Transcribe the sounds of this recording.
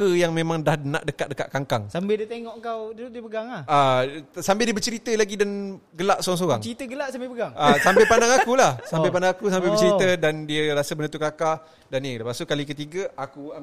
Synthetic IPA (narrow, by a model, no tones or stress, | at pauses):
əjaŋmẽmãŋdahna̰ʔdəkat̪̚dəka̰ʔ̪̚kaŋkaŋsambɪldiət̪eŋɔʔəŋkawdiudiəpəɡaŋlahasambɪldiəbət͡ʃəɾit̪əlaɡidan | ɡəlaʔsoɾaŋs̬oɣa̰ŋt͡ʃɾit̪əɡəlaʔsampapəɡaŋasampapandaŋakulahsapapandaŋakusambelbət͡ʃəɾit̪ədandiəɾasabənə̃t̪ukakah | danidəpasukalikət̪iɡaʔakua